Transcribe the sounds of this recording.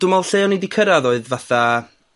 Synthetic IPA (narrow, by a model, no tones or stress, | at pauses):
d̥ʊmalˠɬejɔnidikʰəɾaðoːɨðvaθa